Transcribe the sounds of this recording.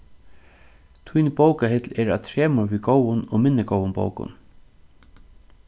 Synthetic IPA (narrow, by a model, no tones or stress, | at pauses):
t̪ʰujnbowkaɦɪt̪lɛːɾa̰ðt̪ʰɾɛːmaɾʋiɡowʊnɔɣmɪnːɪɡowʊnbo̰wkʊ̰n